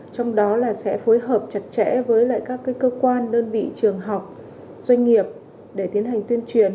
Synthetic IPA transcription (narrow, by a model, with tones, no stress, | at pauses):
t͡ɕwŋ͡mɗɔ˨˦laː˨˩sɛ̰˧˥fo˨˦jɦəː˨˩p̚t͡ɕa˨˩t̚t͡ɕɛ̰˧˥vəː˨˦jla̰ː˧˨jkaː˦˥kːaː˨˦jkəː˧kwaː˧nɗəː˧nvḭ˧˨t͡ɕɨ˨˩əŋɦa˨˩wk͡p̚ | z̥wa˧jŋ̟ŋi˨˩əp̚ | ɗe˧˩t̪i˨˦ənɦa˨˩jŋ̟t̪wi˧ənt͡ɕwi˨˩ən